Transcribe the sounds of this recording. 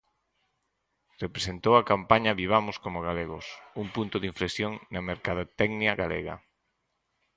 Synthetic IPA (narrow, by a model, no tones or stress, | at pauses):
repɾesent̪owɐkampaɲɐβiβ̞amʊskomʊɣ̞aleɣʊsuŋpunt̪ʊðiɱflesjoŋnɐmeɾkaðot̪ɛɡnjiɐɣalḛɣɐ̰